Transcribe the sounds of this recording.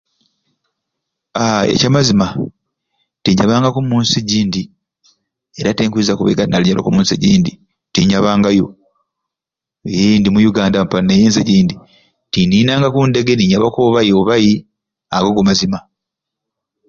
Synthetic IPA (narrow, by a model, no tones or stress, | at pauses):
aḛcamazima | tiɲaβaːŋɡakumuːnsiɟiːndi | eɾateːŋkuizakuβḛɡatnaliɲalo̰kumuːnsiɟiːndi | tiɲaβaːŋɡajo | jindimujuɡaːndam̩panːejeːnzeɟiːndi | tininaːŋɡakunde̞ɡe̞niɲaβakoβajioβaji | aɡoɡumazima